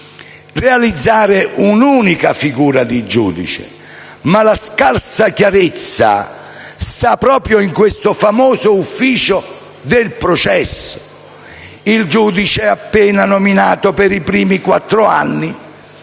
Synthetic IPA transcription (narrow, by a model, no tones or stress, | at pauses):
realid̪zːaːɾɪʔunuːnikafiɡuːɾad̪id͡ʒṵːd̪ḭt͡ʃḛ | malaskarsakjaɾet̪sːa̰ | st̪apːɾɔːpɾjoiŋkwest̪ʊfamɔːzʊufːiːt͡ʃʊ | d̪ɪlpɾot͡ʃɛsːo̥ | ild͡ʒuːd̪it͡ʃɛapːɛːnanominaːt̪opɪɾipɾiːmikwa̰t̪ːɾʊa̰nːi